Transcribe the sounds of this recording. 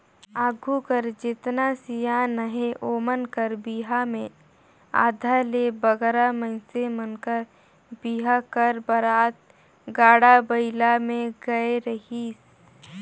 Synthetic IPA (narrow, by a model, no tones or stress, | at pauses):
aːɡʱukəɾd͡ʒɪt̪nasijanəɦeʔoːmənkəɾbiːɦamẽ | a̰ːd̪ʱalebəɡɾamə̃ɪsemənkəɾ | biɦakəɾbəɾaːt̪̚ | ɡaːɽabəɪlamẽɡɐeɾəɦi